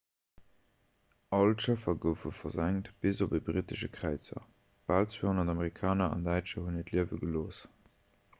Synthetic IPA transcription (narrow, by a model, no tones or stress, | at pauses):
ɑltʃəfɐɡəʊfəfɐzæŋtb̥izobəbʁitəʃəkʁæɪt͡sɐ̰ | b̥aːlt͡sweːhonɐtɑmeʁikʰɑːnɐɑ̰ndæɪtt͡ʃəhunətliəvəɡəloːs